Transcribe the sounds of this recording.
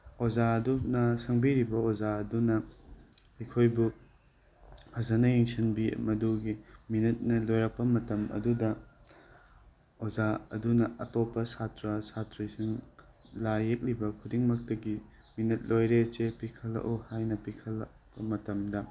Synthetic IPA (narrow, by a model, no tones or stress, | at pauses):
ozaɐdunɐsɐŋbiɾibɐozaɐdunɐ | ɐkʰojbu | pʰɐzanɐjeŋsʰɐnbiɐ̰mɐduɡiminɐt̚nɐlojɾɐk̚pːɐmɐtɐmɐ̰dudɐ | ozaɐ̰dunɐɐtopːɐsatɾɐsatɾijsiŋ | lajek̚libɐkʰudiŋmɐk̚tɐɡi | minɐt̚lojɾet͡ʃepikʰɐlɐ̰ʔohajnɐpikʰɐlɐ | pɐmɐtɐmdɐ